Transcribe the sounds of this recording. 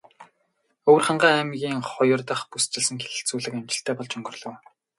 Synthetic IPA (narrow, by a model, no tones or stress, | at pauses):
owrχaɴɢaːæmɣʲiːŋχʊjɞ̆rt̪ə̆χpust͡ɕɪ̆ɮsɘ̆ŋxeɮɘ̆ɬt͡suːɮɘ̆kamt͡ɕɪ̆ɬt̪ʰæːpɔɮt͡ɕɵŋɡɵ̆rɮɞ̆w